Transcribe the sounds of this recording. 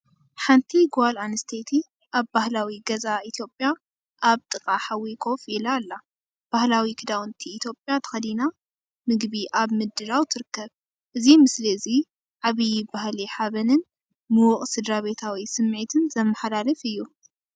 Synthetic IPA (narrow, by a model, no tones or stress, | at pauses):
ħant̪ʰiɡalanɨst̪ʰet̪ʰi | ʔaβbahlawiɡɐzaʔit̪ʰjo̞pʼja | ʔaβt̪ʼɨkʼaħawːikʰo̞filalːa | b̥ahlawikʰɨd̪awnt̪ʰiːt̪ʰjo̞pʼjat̪ʰɨ̥xɐd̪ina | mɨɡbiʔaβmɨd̪ɨlawt̪ʰɨɾɨkːɐβ | ʔɨzimɨsliɨzi | ʕaβijbahliħaβɐnɨn | mɨwʊχʼsɨd̪ɾaβe̞t̪ʰawisɨmːʕit̪ʰɨnzɐmːɐħalalɐfɨjːu